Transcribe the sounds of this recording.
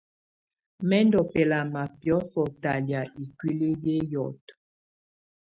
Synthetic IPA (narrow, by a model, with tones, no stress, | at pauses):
mɛ˦ndɔ˨pɛ˨la˨ma˨pjɔ˨˦sɔ˨ta˨lja˨i˨kwi˦le˦je˦jɔ˨t